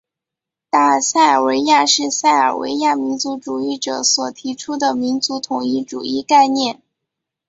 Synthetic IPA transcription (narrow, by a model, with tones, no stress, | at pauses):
t̪a˥˩sa˥˩ɪə˞˨˩we˧˥ɪja˥˧ʂɻ̩˥˧sa˥˩ɪə̰˞˨˩wḛ˧˥ɪja˥˩mi˧˥nt͡su˧˥ʈ͡ʂu˨˩i˥˩ʈ͡ʂɤ˨˩˦swɔ˨˩t̪ʰi˧˥ʈ͡ʂʰu˥d̪ə˨mi˧˥nt͡su˧˥t̪ʰʊ˨˩ŋi˥˩ʈ͡ʂṵ˨˩i˥˧ka˥˧ɪnjɛ˥˩n